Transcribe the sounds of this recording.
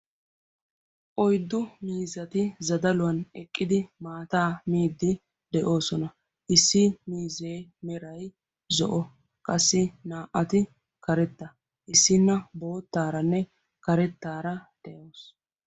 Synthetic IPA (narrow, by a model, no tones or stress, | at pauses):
ʔɔjd̪ːʊmiːzɐt̪ɪzɐd̪ɐlʊwɐnɛkʼːɪd̪ɪmaːt̪aːmiːd̪ːɪ | d̪̥ɛʔo̞ːsɔnɐ | ʔɪsːɪmiːzeːmɛɾɐj | zɔ̰ʔɔ | kʼɐsːɪnaːʔɐt̪ɪ | kɐɾɛt̪ːɐ | ʔɪsːɪnːɐbo̞ːt̪ːaːɾɐnːɛ | kɐɾɛt̪ːaːɾɐd̪̥ɛʔoːs